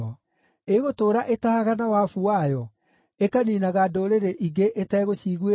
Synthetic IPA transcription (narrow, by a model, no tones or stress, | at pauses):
ɔ | eɣotoːɾaʔetahaɣanawafuajɔ | ekaniːnaɣadoɾeɾeʔiɡeʔetɛɣoɕiɣe